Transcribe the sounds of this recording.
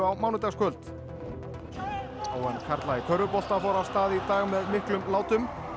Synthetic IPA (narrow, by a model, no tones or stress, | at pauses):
awmaːwnʏt̪askʰœlt̪ | aːwɛnkʰaɾt̪laikʰœɾðʏpɔl̥t̪afɔwɾast̪aːðɪit̪aːɣmɛðmɪhklʏmlaːwt̪ʏm